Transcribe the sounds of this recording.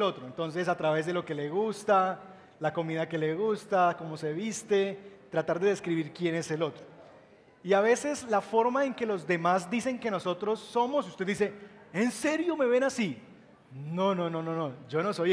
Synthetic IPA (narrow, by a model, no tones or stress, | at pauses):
lo̞t̪ɾo̞ent̪o̞ns̬e̞s̬at̪ɾaβe̞zd̪e̞loke̞le̞ɣust̪a | lako̞mið̞ake̞le̞ɣust̪ako̞mo̞se̞βist̪e̞t̪ɾat̪aɾd̪e̞ðeskɾiβiɾkje̞ne̞se̞lo̞t̪ɾo | iaβ̞e̞se̞slafo̞ɾmaeŋke̞lo̞zd̪e̞mazd̪ise̞ŋke̞no̞so̞t̪ɾo̞sːo̞mo̞sust̪ed̪d̪is̬eense̞ɾjo̞me̞βe̞nasi | no̞no̞no̞no̞no̞d͡ʒo̞no̞so̞j